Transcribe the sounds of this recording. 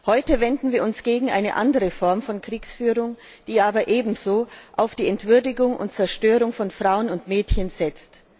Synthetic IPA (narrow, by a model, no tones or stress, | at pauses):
hɔʏtəvɛndn̩viːɐʊnsɡ̥eːɡŋ̩ʔa̰ɪnə̰ʔandəʁəfɔɐmfɔnkʁ̥iːksfyːʁʊŋ | d̥iːʔaːbɐʔeːbm̩zoːʔaʊfd̥iːɛntv̥ʏɐdɪɡʊŋʔʊ̰nt̚t͡sɛɐʃtøːʁʊŋfɔnfʁ̥aʊənʊntmɛːtçənz̥ɛt͡st